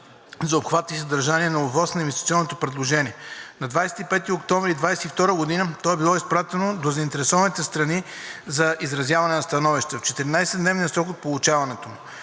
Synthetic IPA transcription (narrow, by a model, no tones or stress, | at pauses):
zɐopxvat̪ːisɐd̪ɐɾʒaniɛnɐobvˠɔsnɐinvɛst̪it̪siɔnːot̪opɾɛd̪lˠoʒɛniɛnɐd̪vajsɛ̥t̪ipɛt̪iokt̪ɔ̃ɱvɾiːd̪vajsɛt̪ift̪ɔɾəɡod̪inət̪ɔɛbilˠɔispɾat̪ɛnod̪ozɐint̪ɛɾɛsɔvɐnit̪ɛst̪ɾɐnizɐʔizɾɐzʲjavɐnɛnɐst̪ɐnɔviʃt̪ɛft͡ʃɛt̪ɛɾinajsɛd̪nɛvnijəsɾɔkot̪̚polˠut͡ʃavɐnɛt̪omu